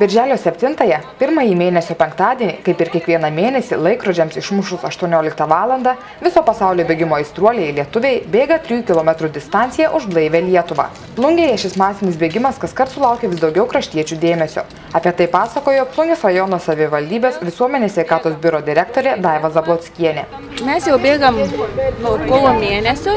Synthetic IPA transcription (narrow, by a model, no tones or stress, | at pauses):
bʲɪɾʲʒʲæːlʲoːsʲɛpʲt̪ʲɪnt̪ɐjɛpʲɪɾmɐjiːmʲeːnʲɛsʲoːpʲɛŋkt̪ɑːd̪ʲiɛnʲɪkɐɪpɪɾkʲiɛkʋʲiɛnɐmʲeːnʲɛsʲɪlˠɐɪkɾod͡ʒʲɛmsɪʃmʊʃʊsɐʃt̪uɔnʲoːlʲɪk̚t̪ɐʋɑːlˠɐnd̪ɐ | ʋʲɪsoːpɐsɑʊlʲoːbʲeːɡʲɪmoːɪst̪ɾuɔlʲeɪlʲiɛt̪ʊʋʲeːɪbʲeːɡɐt̪ʲɾʲijuːkʲɪlˠoːmʲɛt̪ɾud̪ʲɪst̪ɑˑnʲt̪sʲɪjɛʔʊʒblˠɐɪʋʲeːlʲiɛt̪ʊʋɑ̰ː | plˠʊŋʲɡʲɛjɛʃʲɪsmɑːsʲɪnʲɪsbʲeːɡʲɪmɐskɐskɐɾt̪sʊlˠɑˑʊkʲɛʋʲɪsd̪ɒʊɡʲɛʊkɾɐʃʲt̪ʲiɛt͡ʃʲud̪ʲeːmʲɛsʲo̰ː | ɑːpʲiɛt̪ɐɪpɑːsɐkoːjoːplˠʊŋʲɡʲʊsɾɐjɔnoːsɐʋʲɪʋɐlʲd̪ʲiːbʲeːsʋʲɪsuɔmʲɛnʲesʲʋʲɛɪkɑːt̪oːsbʲɪɾoːd̪ʲɪɾʲɛk̚t̪oːɾʲeːd̪ɑɪʋɐzɐblˠoːt̪sʲkʲiɛnʲe | mʲɛsjɛʊbʲeːɡɐmnuɔkoːlˠoːmʲeːnʲɛsʲʊ